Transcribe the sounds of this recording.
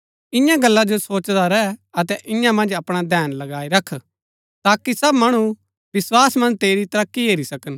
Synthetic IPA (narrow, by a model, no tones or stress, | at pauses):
ɪ̃jãɡɐlːad͡ʒosoːt͡ʃd̪aɾɛɐt̪ɛʔɪ̃jãmɐ̃nd͡ʒɐpɽ̃ad̪ʱɛːnlɐɡaːiɾɐkʰ | t̪aːkisɐbmɐɽ̃u | ʋɪswaːsmɐ̃nd͡ʒt̪eːɾit̪ɐɾɐkːiɦeːɾisɐkən